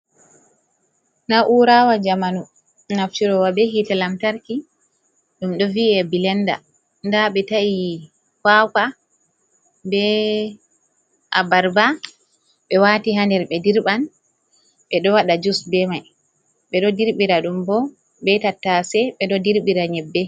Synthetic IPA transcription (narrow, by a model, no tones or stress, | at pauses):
naʔuɾawad͡ʒamanu | naft͡ʃiɾɔwabɛɦitalamtaɾki | ɗumɗɔviɛbilɛnda̰ | ndaɓɛtai | kaka | bɛ | ʔabaɾba | ɓɛwatiɦandɛɾɓɛdiɾban | ɓɛɗɔwaɗad͡ʒusbɛmaj | ɓɛɗɔdiɾɓiɾaɗumbɔ | bɛtatːasɛɓɛɗɔdiɾɓiɾaɲɛbːɛ